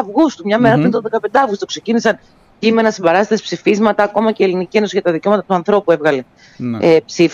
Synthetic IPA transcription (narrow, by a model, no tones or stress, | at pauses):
ɐvɣust̪umɲɐme̞ɾɐp̪uɾint̪oðe̞kɐpe̞nd̪ɐvɣust̪okse̞cinisɐn | cime̞nɐsimbɐɾɐst̪it̪espsifizmɐt̪ɐːko̞mɐceːlinicie̞nosiʝɐt̪ɐðiceo̞mɐt̪ɐt̪uɐnθɾo̞pue̞vɣɐle̞ | epsif